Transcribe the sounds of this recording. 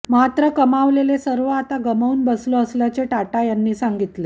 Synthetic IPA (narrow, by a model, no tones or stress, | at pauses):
mat̪ɾəkəmaʋlelesəɾʋəat̪aɡəməuːnbəsloəsljat͡ɕeʈaʈajanːiːsaŋɡit̪le